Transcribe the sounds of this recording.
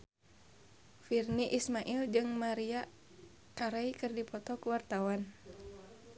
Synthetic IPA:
firniʔismaʔild͡ʒɨŋmaɾia | kaɾaikɨrdipɔt̪ɔkuwart̪awan

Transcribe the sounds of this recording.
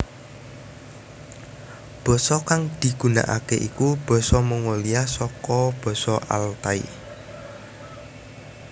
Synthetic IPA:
b̥ɔ̤sɔkaŋd̪̥i̤ɡ̥ṳna̰ʔa̰keʔikub̥ɔ̤sɔməŋoliasɔkɔb̥ɔ̤sɔʔa̰lt̪aḭ

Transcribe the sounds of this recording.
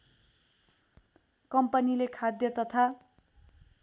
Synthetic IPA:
kʌmpʌnilekʰad̪jʌt̪ʌt̪ʰa

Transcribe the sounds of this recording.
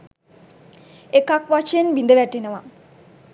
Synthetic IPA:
ekakʋat͡ʃejenʋind̪əʋæʈenəʋa

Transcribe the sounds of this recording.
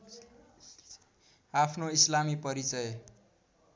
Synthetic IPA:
apʰnoislamipʌɾit͡sʌj

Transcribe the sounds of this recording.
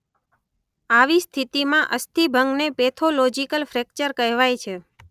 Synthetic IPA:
aʋist̪ʰit̪imãʔəst̪ʰibʱəŋɡnepet̪ʰolod͡ʒikəlfɾekt͡ʃəɾkəɦʋajt͡ʃʰe

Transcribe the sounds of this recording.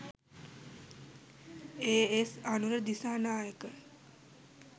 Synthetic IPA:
eːesanuɾəd̪isaːnaːjəkə

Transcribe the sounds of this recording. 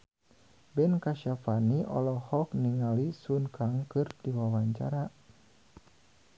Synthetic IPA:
bɛnkaʃafaniʔɔ̰lɔhɔk̚niŋalisunkʰaŋkɨrdiwawaɲt͡ʃa̰ɾa

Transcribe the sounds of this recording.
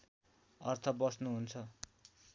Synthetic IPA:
ʌrt̪ʰʌbʌsnuɦunt͡sʰʌ

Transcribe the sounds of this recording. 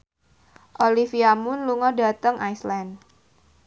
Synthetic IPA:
ʔolifiamʊnluŋɔda̤t̪əŋʔaisland

